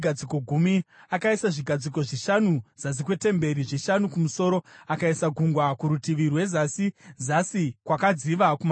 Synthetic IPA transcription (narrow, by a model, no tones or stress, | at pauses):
ɡʱad͡ziko̞ɡʱumiakaisaʐiɡʱad͡ziko̞ʐiʃanuz̥as̬ikwe̞te̞mbe̞ɾiʐiʃanukumuso̞ːɾo̞akaisaɡʱuŋɡwakuɾutiʋirwe̞zasizasikwakad͡ziʋakum